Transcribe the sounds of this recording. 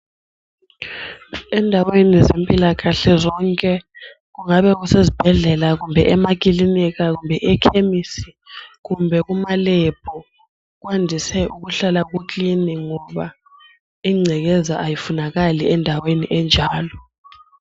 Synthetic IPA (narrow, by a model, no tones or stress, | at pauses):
ɛndʱawenizempʼilaɣaɬɛzɔŋkʼɛ | ɣuŋaɓɛɣusezib̥ʱɛɮɛlaɣumbʱɛʔɛmak̬ʼilinik̬aɣumbʱɛʔɛkʰemisi̥ɣumbʱɛɣumalɛb̥ʰʱʼɔ | ɣ̬wandʱisɛʔuɣuɬalaɣ̬ukʼliniŋɔɓa | iŋ͡ǀʱɛɣɛzaʔajifunaɣaliɛndʱaweniʔɛnd͡ʒʱaːlɔ